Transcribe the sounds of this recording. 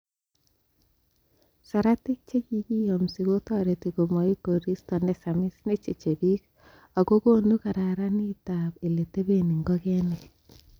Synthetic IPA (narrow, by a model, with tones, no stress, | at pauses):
sa˨ɾa˦tɪ˦k̚t͡ʃe˦ki˦ki˦jo˨msi˨ɡo˦tɔ˦ɾe˨ti˨ko˨mɔ˨i˦ko˨ɾi˦stɔ˨nɛ˦sa˨mɪ˦sne˦t͡ʃe˨t͡ʃe˨bi˦k | a˨ko˦ko˦nu˦ka˨ɾa˨ɾa˦ni˦ta˨be˨le˨te˦be˦ni˨ŋɡɔ˦kɛ˦ne˨